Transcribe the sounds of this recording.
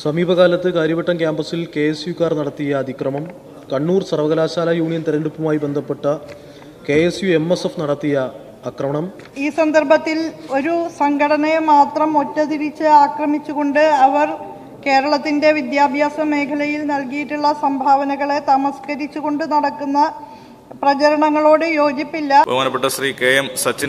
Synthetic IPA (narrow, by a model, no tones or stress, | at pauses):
sɐmiːbʱɐɣaːlɐt̪ːɨkaːɾjɐbɐʈːɐmkjaːmbɐsilke̞esjukːaːrnɐɽɐt̪ːijɐːd̪ʱikrɐmɐm | kɐɳːuːrsɐrʋɐɣɐlaːɕaːlɐjuːɳijɐnt̪iɾɐɳɖupːɐmaːjibe̞nd̪ʱɐpːe̞ʈːɐ | ke̞esjue̞mːesefnɐɽɐt̪ːijɐ | aːkrɐmɐɳɐm | iːsɐnd̪ɐrbʱɐt̪ːilo̞ɾusɐŋɡʱɐɽɐnɐmaːt̪rɐmo̞tːɐt̪iɾit͡ɕːɨaːkrɐmit͡ɕːuɣo̞ɳɖɨɐʋɐr | ke̞ːɾɐɭɐt̪ːinde̞ʋid̪jaːbʱjaːsɐme̞ːkʰɐlɐjilnɐlkijiʈːuɭːɐsɐmbʱaːʋɐnɐɣɐɭe̞t̪ɐmɐskɐɾit͡ɕːuɣo̞ɳɖɨnɐɽɐkːunːɐ | prɐt͡ɕɐɾɐɳɐŋːɐɭoːɽɨjo̞ːɡipːilːɐbʱɐ̰maːnɐpːeʈːɐɕriːkeːjɐmsɐt͡ɕːin